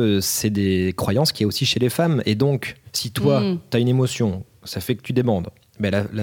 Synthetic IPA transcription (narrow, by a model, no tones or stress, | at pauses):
sɛd̪ekχwajɑ̃skʲiɛosiʃelefamḛd̪ɔ̃ksit̪wat̪yaynemɔsjɔ̃ | safɛkə̥t̪yd̪emɑ̃d̪ | bɛlala